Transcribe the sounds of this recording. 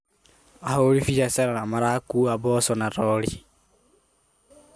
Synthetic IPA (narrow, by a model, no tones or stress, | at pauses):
aholifid͡ʒasaɾanamaɾakuaβɔsɔnaɾɔli